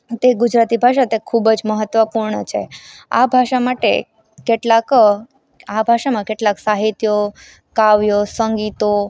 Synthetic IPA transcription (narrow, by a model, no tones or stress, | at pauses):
t̪eɡud͡ʒɾat̪ibʱaʃat̪ekʰubd͡ʒməɦət̪ʋəpuɾɳət͡ʃʰḛa̰bʱaʃamaʈḛ | keʈlak | abʱaʃamãkeʈlaksaɦit̪jo | kaʋjosəŋɡit̪o